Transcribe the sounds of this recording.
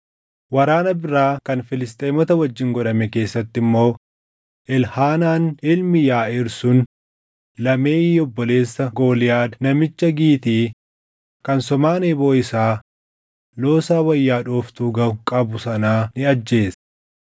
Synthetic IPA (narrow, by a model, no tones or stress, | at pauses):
wɐɾaːnɐbɪɾaːkɐnfɪlɪst̪ʼeːmɔt̪ɐwɐd͡ʒːɪŋɡɔᶑɐmɛke̞ːsːɐt̪ːɪmːo̞ː | ʔɪlhaːnaːnɪlmɪjaːɪɾsʊn | lɐmeːɔbːɔle̞ːsːɐɡo̞ːlɪjaːd̪nɐmɪt͡ʃːɐɡiːt̪iː | kɐnsɔmaːneːboːɪsaː | lo̞ːsaːwɐjːaːᶑoːft̪uːɡɐkʼɐbʊsɐnaːnɪɐd͡ʒːe̞ːsɐ̥